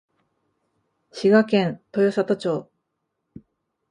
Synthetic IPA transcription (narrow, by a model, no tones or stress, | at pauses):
ɕiɡakẽ̞nt̪ojosat̪ot͡ɕoː